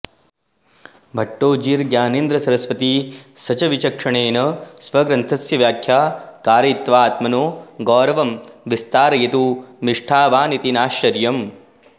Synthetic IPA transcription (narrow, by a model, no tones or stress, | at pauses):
bʱɐʈːoːd͡ʒiːɾɡjaːneːnd̪ɾɐsɐɾɐsʋɐt̪isɐt͡ʃɐʋit͡ʃɐkʂɐɳeːnɐsʋɐɡɾɐnt̪ʰɐsjɐʋjaːkʰjaːkaːɾɐt̪ʋaːt̪mɐnoːɡɔːɾɐʋɐmʋist̪aːɾɐjɐt̪umiʂʈʰaːʋaːnit̪inaːʃɐɾjɐm